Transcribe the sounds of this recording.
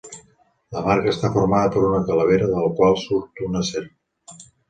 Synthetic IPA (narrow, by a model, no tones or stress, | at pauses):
ləmaɾkəːst̪afoɾmaðəpəɾunəkələβ̞eɾəðələkwalˠsuɾt̪unəseɾ